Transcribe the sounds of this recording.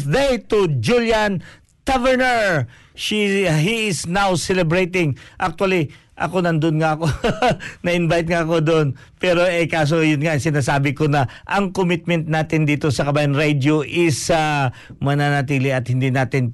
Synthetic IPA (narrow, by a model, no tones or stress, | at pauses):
d̪ejt̪ud͡ʒuljɐn | t̪avɛɹnɛɹ | ʃiɦiɪsnawsɛlɛbɹejt̪ɪŋʔak̚t̪wɐliʔɐ̰ko̞nɐnd̪oʊnŋaʔɐkonɐɪnbajt̪̚ŋaɐko̞d̪oʔon | pɛːɾo̞ɛjkaːs̬ojʊnŋasɪnaːsaːbɪko̞nɐʔɐŋkomɪt̪̚mɛnt̪̚naːt̪ɪnd̪iːt̪o̞sɐkɐbaːjɐnɾejd̪joʔɪsamɐnanɐt̪iːlɪɐt̪hɪnd̪inaːt̪ɪn